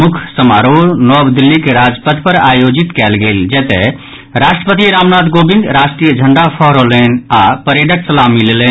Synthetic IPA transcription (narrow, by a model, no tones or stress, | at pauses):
mukʰsəmaɾoɾnɔbd̪ilːikeɾad͡ʒpət̪ʰpəɾajod͡ʒit̪kɛlɡeld͡ʒɛt̪ɛ | ɾaʃʈɾəpət̪iɾaːmnaːd̪ɡobĩŋɡ̪ɾaʃʈɾijəd͡ʒʱəɳɖapʰɔɦɾolenapəɾeɖəksəlamilelən